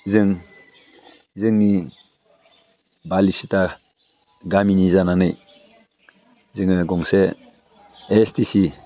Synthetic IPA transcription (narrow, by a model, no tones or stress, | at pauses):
zɯŋ | zɯŋni | balisita | ɡaminizananɯj | zɯŋɯɡɔŋseː | stisi